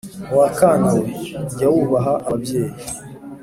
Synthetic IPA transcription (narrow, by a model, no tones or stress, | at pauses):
wakaːndoɟawuβaɦaʔaβabje̞ːji